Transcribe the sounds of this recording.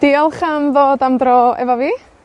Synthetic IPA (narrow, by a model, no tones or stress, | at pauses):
d̥iɔlˠχamðoːdamdrɔɛ̰vɔviː